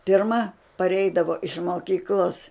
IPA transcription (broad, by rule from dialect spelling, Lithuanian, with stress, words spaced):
pʲɪrˈmɐ pɐˈrʲɛɪdɐʋoː ɪʃ moːˈkʲiːklˠoːs